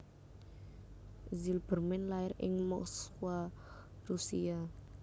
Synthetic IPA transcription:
zilb̥ərmɛnlaɪrɪ̰ŋmɔkskwarusia

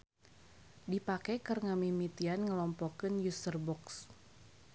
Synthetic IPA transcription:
dipakajkərŋamimit̪ianŋəlɔmpɔkənjusərbɔks

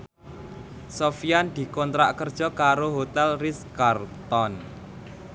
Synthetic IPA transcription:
sofiand̪̥i̤kɔnt̪ɾa̰ʔkərd̥ʒ̥ɔ̤kaɾoɦot̪ɛlriskart̪ɔn

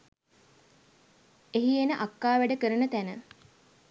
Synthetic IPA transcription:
eɦienəʔakːaːʋæɖəkəɾənət̪ænə

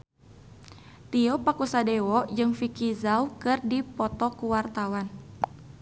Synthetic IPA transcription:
t̪iɔpakusadɛwɔd͡ʒɨŋfikizaukɨrdipɔt̪ɔkuwart̪awan

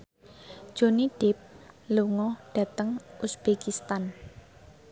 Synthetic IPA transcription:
ʒ̥o̤niɖ̥ɪp̚luŋɔɖ̥ä̤t̪əŋʔusb̥ekist̪an

